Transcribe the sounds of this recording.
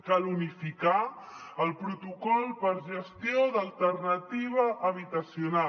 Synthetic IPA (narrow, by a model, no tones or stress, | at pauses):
kalunifika | əlˠpɾut̪ukɔlˠpəɾʒəst̪ioðəlˠt̪ərnət̪iβ̞əʔːβit̪əsiuna